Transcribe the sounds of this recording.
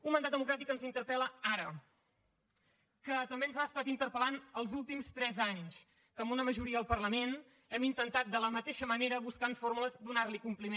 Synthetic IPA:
unmənd̪at̪d̪əmukɾat̪ikənzint̪əɾpɛləaɾə | kət̪əmbeənzaəst̪at̪int̪əɾpəlanəlˠzulˠt̪imst̪ɾɛzaɲs | kəmbunəməʒuɾiəəlˠpərləmen | ɛmint̪ənt̪at̪̚d̪ələmət̪eʃəməneɾəβuskanfoɾmuləzd̪unarlikumplime

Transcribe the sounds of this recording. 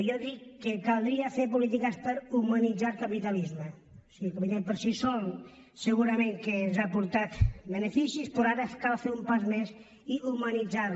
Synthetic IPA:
jɔðikːekalˠd̪ɾiafeɾpulit̪̬ikəspəɾumanid͡zalkapit̪alizmə | siɣkapit̪epəɾsisɔl | səɣuɾameŋkeezapuɾt̪at̪bənefisispɾoaɾəkalˠfeɾumpazmes | iumanid͡zaɾ

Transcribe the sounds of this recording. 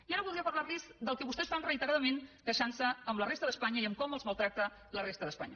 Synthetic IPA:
iaɾəβld̪iəpəɾlarlizd̪əlˠkəβust̪ɛsfanrəit̪əɾaðəmenkəʃansəːmblərest̪əðəspaɲəiəmkɔməlˠzməlˠt̪ɾak̚t̪ə | lərest̪əðəspa̰ɲə

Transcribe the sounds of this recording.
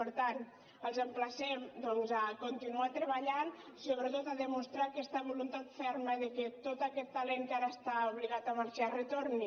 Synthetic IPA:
pəɾt̪an | əlˠzəmplasɛmd̪ɔnzakont̪inuat̪ɾəβaʎan | soβɾət̪ot̪aðəmust̪ɾakɛst̪əβolunt̪at̪fɛɾməðəket̪ot̪akɛt̪ːaleŋkaɾəst̪auβliɣat̪amaɾʃarət̪oɾni

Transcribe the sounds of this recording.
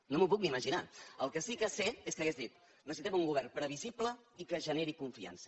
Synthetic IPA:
nomup̬uk̚miməʒina̰əlˠkəsikəseeskəɣezðit̪ | nəsit̪ɛmuŋɡuβɛrpɾəβ̞iziplə | ikəʒəneɾikuɱfia̰nsə̥

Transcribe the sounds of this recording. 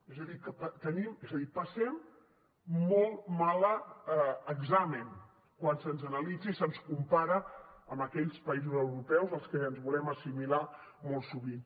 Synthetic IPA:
ezəðikəpət̪ənimezəðipəsɛmː | ɔlˠmalə | əɡzamən | kwansənzənəlid͡zisənskumpaɾəəmbəkɛʎspəizuzəwɾupɛwzəlˠskəːnzβulɛməsimila | mɔlˠsuβin

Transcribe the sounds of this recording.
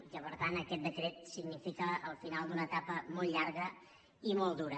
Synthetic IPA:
kəpəɾt̪anəkɛt̪̚d̪ət̪ɾet̪̚siɡnifikəːlˠfinalˠd̪unət̪apəmɔlˠʎaɾɣə | imɔlˠd̪uɾə

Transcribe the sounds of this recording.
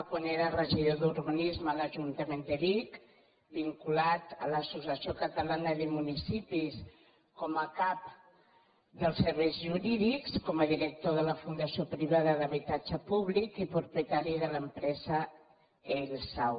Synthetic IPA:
kwaneɾərəʒiðoðuɾɣənizmələʒunt̪əmend̪əɾik | biŋkulat̪ələsusəsiokət̪əlanəðimunisipis | kɔməkap̚ | d̪əlˠsəɾβɛjzʒuɾiðikskɔməðiɾək̚t̪oðələfund̪əsiopɾiβ̞aðəðəβ̞it̪ad͡ʒəpuβlikipɾupjət̪aɾiðələmpɾɛzə | elsaw

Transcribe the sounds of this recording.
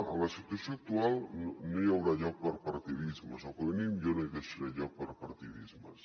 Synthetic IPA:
lasit̪wasjoak̚t̪ualnojawɾaʎɔk̚paɾpaɾt̪iðizmasokeβenimʎonojkesiɾaʎɔk̚paɾpaɾt̪iðizma̰s

